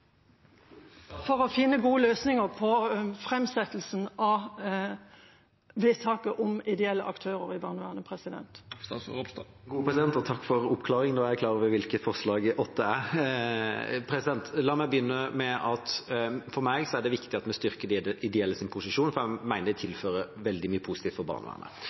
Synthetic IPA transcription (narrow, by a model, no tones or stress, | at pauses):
fɔɾɔfɪnːəɡuːəløːsnɪŋəɾpʰɔfɾɛmsɛt̪l̩snɑ | ʋeːt̪ʰɑːkəʔʊmɪd̪ɛɛlːəʔɑ̰kt̪ʰøːɾəɾɪbɑnʉɑːnəpʰɾɛsɪd̪ɛ̰nt̪ | ɡuːəpʰɾɛsɪd̪ɛnt̪ɔt̪ʰɑkːfɔɾʊpkʰlɑːɾɪŋnoːækʰlɑːɾəʋɛʋɪlkət̪fɔʁslɑːɡʔɔt̪ʰːəæ | pʰɾɛsɪd̪ɛnt̪lɑːmæɪbəjʏnːəmɛʔɑt̪fɔɾmæɪɡsɔæɖɛʋɪkt̪ɪɑt̪mɛst̪ʏɾkəd̪ɪd̪ɛɛlːəsɪnpʰʊsɪʃuːnfɔɾæmæɪnəd̪ɛt̪ʰɪlføːɾəʋɛld̪ɪmyːəpʰʊsɪt̪iːft̪fɔɾbɑ̰ʁnə̰ʋæ̰ːnə̰